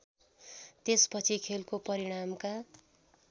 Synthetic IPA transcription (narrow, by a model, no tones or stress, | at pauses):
t̪espʌt͡sʰikʰelkopʌɾiɽ̃amka